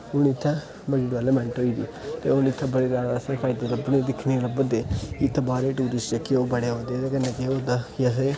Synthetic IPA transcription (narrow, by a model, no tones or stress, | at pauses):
ʊnɪt̪ʰːɛ̃ː | bəɽiɖɛːlemɛ̃ɳʈoːiːd̪iːt̪ḛːʊnɪt̪ʰːɛ̃ːbəɽeːɾaːɽasepʰaːɪd̪eːləbned̪ɪkʰneːləbəd̪eːɪt̪ʰːbaːɾeːʈuːɾɪst͡ʃeːkeoːbəɽeːɦoːd̪eːt̪eːkənːẽːkeoːd̪aas̬eː